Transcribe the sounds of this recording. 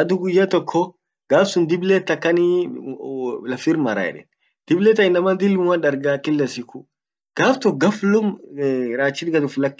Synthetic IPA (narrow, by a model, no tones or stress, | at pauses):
ɐd̪ʊɡʊjːaːt̪ɔkʰːɔ | ɡaːfsʊnd̪ɪbleːt̪ːɐkːɐni | lɐfiɾmɐ̰ɾa̰ɛ̰ᶑɛ̰n | d̪̥ɪblɛt̪ːɐɪnːɐmɐnd̪ɪlwɐnɗɐɾɡakɪlːɐsɪkʊ | ɡ̥aːft̪ɔɡɐflʊmɾaːt͡ʃːɪd̪ɡɐd̪ʊflɐkː